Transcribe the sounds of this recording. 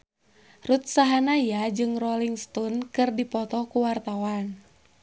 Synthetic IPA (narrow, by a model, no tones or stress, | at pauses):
rut̪̚saɦanajad͡ʒɨŋrɔliŋst̪ɔnkɨrdipɔt̪ɔkuwart̪awan